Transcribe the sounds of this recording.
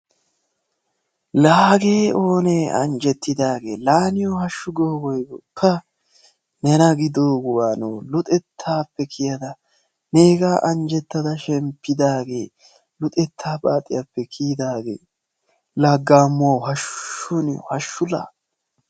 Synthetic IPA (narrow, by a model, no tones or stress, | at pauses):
laːɡeːo̞ːneːɐ̰nd͡ʒɛt̪ːɪd̪aːɡe̞ːlaːnɪjɔhɐʃːʊɡoːɡɔjɡɔpʰːɐ | nɛnɐɡɪd̪oːɡʊwaːnoːlʊt̪ʼɛt̪ʰːaːpːɛkʰɪjɐd̪ɐ | ne̞ːɡaːʔɐnd͡ʒɛt̪ːɐd̪ɐʃɛmpːɪd̪aːɡe̞ː | lʊt̪ʼɛt̪ʰːaːbʼaːt̪ʼɪjapːɛkʰiːd̪aːɡe̞̰ː | laɡːaːmːʊwɐwhɐʃʊnɪjɔ̰hɐʃːʊla̰ː